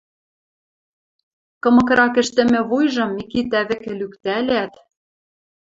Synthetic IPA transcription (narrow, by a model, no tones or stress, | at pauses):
kɤ̆mɤ̆kɾɑkɘ̆ʃt̪ɘ̆mɘ̆βujʒɤ̆mːikit̪æβɘ̆kɘ̆lykt̪ælæt̪